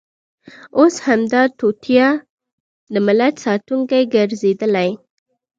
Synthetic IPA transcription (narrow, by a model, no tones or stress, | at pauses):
oshamd̪ɑt̪ot̪ʰjɑ | d̪əmɪlat̪sɑt̪uŋkajɡaɾzed̪əlaj